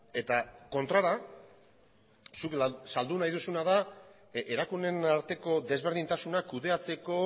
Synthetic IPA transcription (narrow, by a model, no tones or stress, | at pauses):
e̞t̪ako̞nt̪ɾaɾa | suksald̪unajðusunaða | e̞ɾakune̞naɾt̪e̞ko̞ðe̞zβ̞e̞ɾð̞int̪asunakuðe̞at͡se̞ko̞